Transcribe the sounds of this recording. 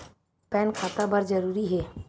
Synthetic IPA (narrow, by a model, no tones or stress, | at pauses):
pɛːnkʰaːt̪abəɾd͡ʒəɾuːɾiɦɛː